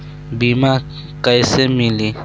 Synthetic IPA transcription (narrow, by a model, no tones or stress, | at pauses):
biːmaː | kəjsemiliː